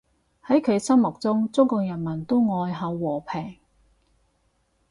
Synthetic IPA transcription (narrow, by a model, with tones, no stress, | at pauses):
hɐ˨˥jkʰɵ˨˧ɥsɐ˥mmʊ˨k̚t͡sʊ˥ŋt͡sʊ˥ŋkɔː˧k̚jɐ˨˩nmɐ˨˩nt̪o˥wŋɔː˧jɦɐ˨˧wːɔː˨˩pʰɛː˨˩ŋ